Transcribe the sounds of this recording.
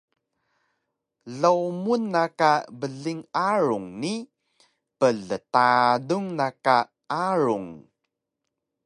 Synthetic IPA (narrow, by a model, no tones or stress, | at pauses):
ɮəwmunːakabəɮiŋaɻuŋni | pəɮətaduŋnaka | aɾuŋ